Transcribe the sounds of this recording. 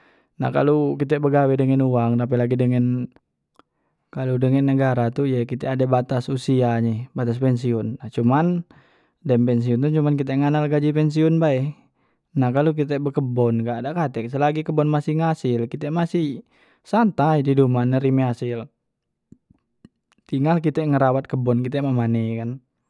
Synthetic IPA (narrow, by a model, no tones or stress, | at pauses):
na̰hka̰lukit̪̬ɛbəɡawɛdəŋɛnuwaŋt̪ap̬ɛlaɡidəŋɛn | kaludəŋɛnːəɡaɾat̪ujɛkit̪ɛadabat̪asusiaɲɛbat̪as̬pɛnsiunːaht͡ʃuman | dɛmpɛns̬iunt̪ut͡ʃumank̬it̪̬ɛŋanalɡad͡ʒipɛns̬iunbaɛ | nakaluk̬it̪̬ɛbəkəbɔnɡaʔdaʔkat̪ɛk̚səlaɡikəbɔnmasihŋasilkit̪ɛmasih | sant̪aididumanəɾimɛasɪl | t̪iŋalkit̪ɛŋəɾawat̪̚kəbɔnkit̪ɛmamanɛkan